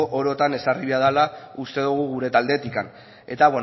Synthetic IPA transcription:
ʔoɾo̞t̪ane̞sariβeaðalaust̪e̞ðuɣ̞uɣuɾe̞t̪ald̪e̞t̪ikan | e̞t̪aβwe

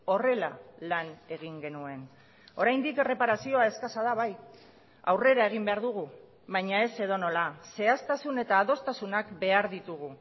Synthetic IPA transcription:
o̞re̞lalane̞ɣ̞iŋɡe̞nue̞n | o̞ɾajnd̪ikere̞paɾasio̞ae̞skasaðaβ̞aj | a̰wre̞ɾae̞ɣ̞imbe̞aɾðuɣ̞u | βajɲae̞se̞ðo̞no̞lase̞ast̪asune̞t̪aːðo̞st̪asunakbe̞aɾðit̪uɣ̞u

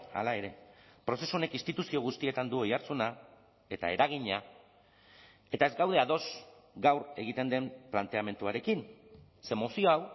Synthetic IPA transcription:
a̰lae̞ɾe̞pɾo̞se̞suo̞ne̞kinst̪it̪usio̞ɣ̞ust̪ie̞t̪and̪uo̞jaɾt͡suna | e̞t̪a̰e̞ɾaɣ̞iɲa | e̞t̪ae̞zɡawð̞e̞aðo̞sɡawɾe̞ɣ̞it̪e̞nd̪e̞mplant̪e̞ame̞nt̪uaɾe̞kin | semo̞sio̞aw

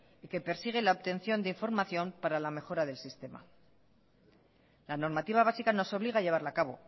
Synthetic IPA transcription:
ike̞pe̞ɾsiɣ̞elaoβt̪e̞nθjo̞nd̪eiɱfo̞ɾmaθjo̞mpaɾalame̞xo̞ɾaðe̞lsist̪e̞ma̰ | lano̞ɾmat̪iβaβasikano̞so̞βliɣaːʎe̞β̞aɾlaːkaβo̞̰

